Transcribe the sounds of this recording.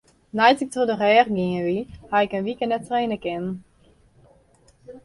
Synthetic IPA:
najsɪk̚todəʁɛːrɡɪəʋihaɪkənʋikənɛtreːnəkɪn

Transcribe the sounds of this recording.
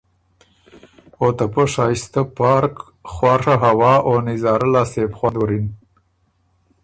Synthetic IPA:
ot̪apəʂɑist̪apɑːɾk | χwɑʂaɦawɑːʔonɪzɑːɾalɑsebxwand̪wuɾin

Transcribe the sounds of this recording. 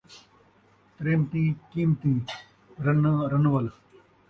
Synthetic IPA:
t̪ɾeːmt̪ikiːmt̪i | ɾɐnɾɐnʋɐl

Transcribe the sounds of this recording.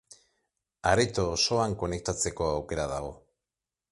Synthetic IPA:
aɾet̪oːso̞aŋko̞ne̞k̚t̪at͡se̞ko̞awke̞ɾað̞aɣ̞o̞

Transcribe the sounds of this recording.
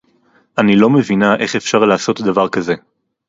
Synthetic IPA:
ʔanilo̞mevinaʔeχe̞fʃaʁlaːso̞t̪d̪avaʁkaze̞

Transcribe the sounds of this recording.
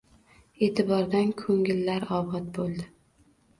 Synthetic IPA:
e̞ːt̪ʰɪbɒɾd̪ankʰɵŋɪlːaɾɒbɒt̪̚bolˠd̪ɪ

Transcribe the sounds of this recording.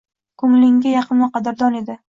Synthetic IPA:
kʰʊŋlɪŋɡʲajɑqʰɨnvaqɑd̪ɪɾd̪ɒne̞d̪ɪ

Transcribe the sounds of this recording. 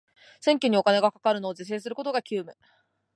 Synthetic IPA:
sẽ̞ŋkʲoɲ̟io̞kane̞ɡakḁkaɾɯ̟no̞ːd͡ʑis̬e̞ːsɨɾɯ̟kot̪o̞ɡakʲɨːmɯ̟

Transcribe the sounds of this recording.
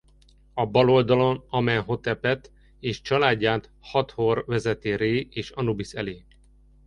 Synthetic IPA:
ɒbɒlo̞ld̪ɒlo̞nɒmɛnɦo̞t̪ɛpɛt̪ | eːʃt͡ʃɒlaːɟːaːnt̪hɒt̪horvɛzɛt̪eːɾeːeːʃɒnubisɛ̰leː

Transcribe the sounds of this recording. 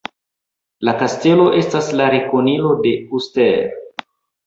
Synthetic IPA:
lakaste̞lo̞ʔe̞staslaɾekonilo̞de̞usteɾ

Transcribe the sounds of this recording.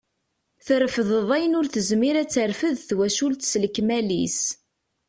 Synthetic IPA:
θɾəfəðəðˤæjənʊɾθəzmiɾæt͡sːəɾfəðθwæʃult̪sləkːmælḭs

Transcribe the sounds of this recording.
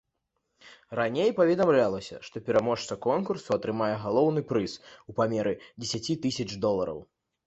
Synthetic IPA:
ranʲejpɐvʲɛd̪amlʲalˠɐsʲɐ̰ʂt̪ɔpʲɛɾamɔʂt̪sɐkɔnkursuɐt̪ɾɨmajɛɣalˠɔwnɨpɾɨsupamʲɛɾɨd͡zʲesʲat͡sʲit̪ɨsʲɐt͡ʂd̪ɔlˠɐɾɐ̰w

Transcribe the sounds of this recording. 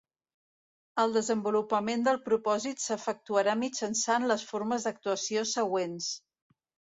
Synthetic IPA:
əlˠd̪əzəmbulupəmend̪əlˠpɾupɔzit̪səfək̚t̪uəɾamid͡ʒənsanləsfoɾməzd̪ək̚t̪uəsiosəɣwens

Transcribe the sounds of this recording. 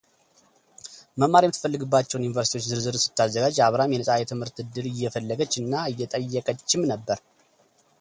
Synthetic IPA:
məmːaɾimɨt̪ʰɨ̥fəlːɨɡɨbːat͡ʃːɛwnjunivəɾsit̪ʰiwot͡ʃːzɨɾzɨɾsɨ̥t̪ːazːəɡad͡ʒaβɾamjɛnəsʼajɛt̪ʰɨmhɨɾt̪ɨd̪ɨɾɨjːɛfəlːəɡət͡ʃːɨnːaɨjːɛt̪ʼəjːɛkʼət͡ʃːɪmnəbːəɾ

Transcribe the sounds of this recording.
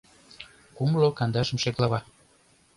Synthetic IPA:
kumlokɑnd̪ɑʃə̆mʃeklɑβɑ

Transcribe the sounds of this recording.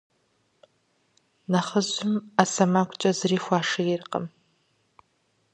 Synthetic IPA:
nɐχəʑʊmasɐmakʷʼt͡ʃʼɐzɨriːxʷaːʂɐjɪrqʼə̰m

